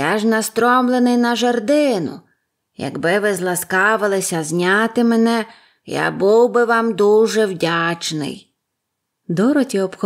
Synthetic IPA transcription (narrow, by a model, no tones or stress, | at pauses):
jaʒnɐst̪ɾɔmlˠenɪjnɐʒɐrd̪ɪnʊ̰ | jɐ̰ɡbɪʋɪzlˠɐskɑʋɪlˠɪsʲɐzʲnʲɑt̪ɪmenɛ | ja̰buwbɪʋɑmd̪uʒɛwdʲat͡ʃnɪ̰j | d̪ɔɾɔtʲiɔpx